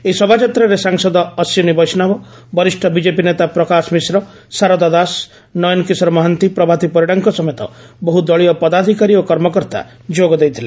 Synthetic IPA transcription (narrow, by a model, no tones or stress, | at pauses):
esɔbʱat͡ʃɔt̪ɾɔɾesaŋsɔd̪ɔːsjɔnibɔjsnabɔ | bɔɾisʈʰɔbid͡ʒepinet̪apɾɔkasmisɾɔ | saɾɔd̪ɔd̪as | nɔjɔnkisɾɔmɔɦɔnt̪ipɾɔbʱat̪ipɔɾiɽaŋkɔsɔmɔjt̪ɔ̰ | bɔɦud̪ɔɭiɔpɔd̪ad̪ʱikaɾiokɔɾmɔkɔɾt̪a̰ | d͡ʒoɡɔd̪ejt̪ʰile